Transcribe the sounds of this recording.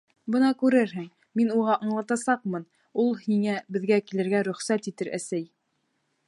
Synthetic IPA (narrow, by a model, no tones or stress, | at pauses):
bɤnɑkʉɾɘɾɦɘŋ | minuʁɑʔɑɴlˠɑt̪ɑsɑq̚mɤn | ulˠhiŋæbɘ̆ðɡækilɘ̆ɾɡæɾɵ̆χsæt̪it̪ɘɾʔæ̰sæj